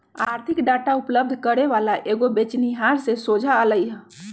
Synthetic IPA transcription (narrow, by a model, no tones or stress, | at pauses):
aɾt̪ʰikɖaʈaupləb̚d̪ʱkəɾeβalaʔeɡobet͡ʃniɦaɾsesod͡ʒʱaələjɦə̃